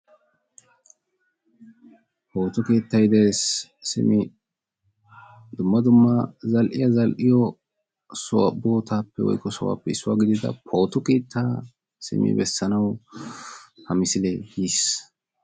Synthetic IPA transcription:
po̞ːt̪ɔkeːt̪ːɐjd̪eːsːɪ̰mɪ | d̪ʊmːɐd̪ʊmːɐzɐlʔɪjɐzɐlʔɪjɔ | sɔwɐ̰boːt̪aːpːɛwɔ̰jkːɔsɔwa̰ːpːɛɪsːʊwaːɡɪd̪ɪd̪ɐ̰pʰo̞ːt̪ɔkeːt̪ʰːaː | sɪ̰mɪ̰bɛsːɐnɐw | hɐmɪsɪlɛɡiːs

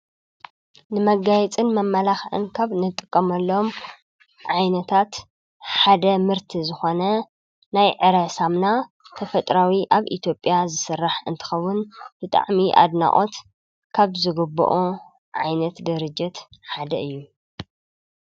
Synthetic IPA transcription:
nɨmɐɡajɛt͡sʼɨnmɐmːɐlaxʕɨ̰nkʰaβnɨt̪ʼːɨkʼːɐmɐlːo̞m | ʕajnɐt̪ʰat̪ | ħad̪ɐmɨɾt̪ʰizɨxo̞nɐ | najʕɨɾɐsamna | t̪ʰɐfɐt̪ʼɾawiʔaβḭt̪ʰjo̞pʼːjazɨsɨrːaħɨnt̪ʰɨ̥xɐwːʊnb̥ɨt̪ʼa̰ʕmiʔa̰d̪na̰ʔʼo̞t̪ | kʰaβzɨɡɨbːṵʔu | ʕajnɐt̪d̪ɨɾɨd͡ʒːɪt̪ħad̪ɐʔɨjːu

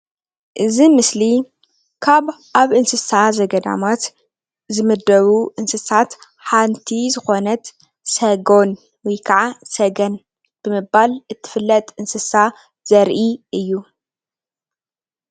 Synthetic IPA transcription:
ʔɨzimɨsli | kʰaβʔaβɨnsɨsazɐɡɐd̪a̰mat̪ | zɨmɨd̪ɐβuʔɨnsɨsat̪ | ħant̪ʰizɨxo̞nɐt̪ | sɐɡo̞n | wijkʰaʕasɐɡɐn | b̥ɨmɨbːalɨt̪ʰːɨ̥fɨlːɐt̪ʼɨnsɨsa | z̥ɐɾʔiʔɨjːu

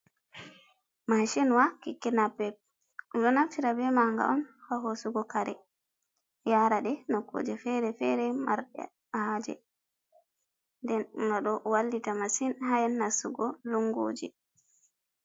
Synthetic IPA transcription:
maʃɛnwakikːɛnapːɛp̚ | uɗɔnatiɾabɛmaŋɡa̰ʔɔnhaɦosuɡɔkaɾɛ | jaɾaɗɛnɔkːo̰d͡ʒɛfɛɾɛfɛɾɛmaɾɗɛ̰ | haːd͡ʒɛ̰ | ndɛnŋɡaɗɔʔwalːitamasinɦajɛnːasuɡɔluŋɡo̰ːd͡ʒḭ

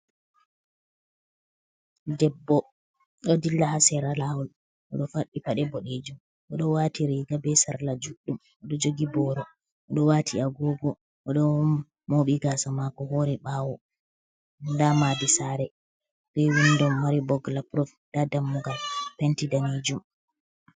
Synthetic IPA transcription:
dɛbːɔ | ɗɔdilːahasɛɾalahɔl | ʔɔɗɔfaɗːipaɗɛbɔɗed͡ʒum | ʔɔɗɔwatiɾiɡabɛsaɾlad͡ʒuɗːum | ʔɔɗɔd͡ʒoɡibɔɾɔ | ʔɔɗɔwatʰiaɡɔɡɔ | ʔɔɗɔ | moɓiɡaːsamakɔhoɾɛɓaːwɔ | ndamadisaɾɛ | biwundɔmːaɾibɔɡlapɾɔfd̥adamːuɡalpɛntidaned͡ʒum

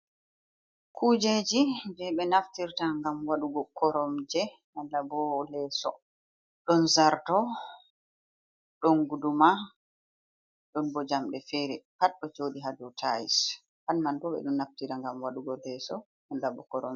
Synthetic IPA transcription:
kʰud͡ʒed͡ʒibɛɓɛnaftiɾtaŋɡamwaɗuɡɔkɔɾɔmd͡ʒɛ | andabɔlɛːsɔ̰ | ɗɔnzaɾtɔ | ɗɔnɡuduma | ɗɔnbɔd͡ʒamɗɛfɛɾɛpatɗɔt͡ʃoːɗiɦadɔtʰajis | hanmantɔɓɛ̰ɗunːaftiɾaŋɡamwaɗuɡɔlɛsɔ | andabɔ̰kɔɾɔm

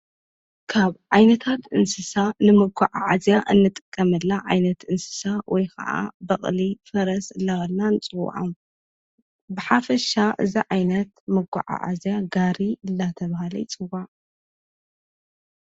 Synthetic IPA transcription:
kʰaβʕajnɐt̪ʰat̪ʔɨnsɨsanɨmɨɡʷaʕa̰ʕazjaʔɨnːɨt̪ʼɨkʼːɐmɨlːaʕajnɐt̪ɨnsɨ̥sawʔɔjkʰɐ̰ʔa̰bɐχʼlifɐɾɐsɨlːaɣɐlnanɨt͡sʼɨw̰ʕa̰m | bɨħafɐʃaʔɨ̰ziʕajnɐt̪mɨɡa̰ʕa̰ʕa̰zjaɡaɾiɨlːat̪ʰɐβahalɐ̰t͡sʼɨwaʕ

